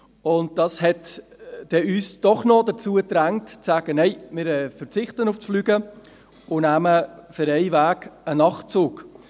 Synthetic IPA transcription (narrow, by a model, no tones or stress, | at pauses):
ʊnt̚d̥ɑshɛtd̥ɛyːsd̥ɔχnɔdət͡suːətɾæŋtt͡sæːɡ̥ənɛɪmɪɾɛfəɾt͡sɪχtənʊfsflyːɡə | ʊnæməfəɾɛɪvæːɡənɑχtt͡suːk